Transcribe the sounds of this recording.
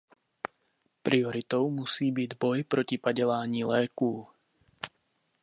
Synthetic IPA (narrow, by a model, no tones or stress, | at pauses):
pɾiɔɾit̪ɔʊmusiːbiɟbɔjpɾɔcipaɟɛlaːɲiːlɛːkuː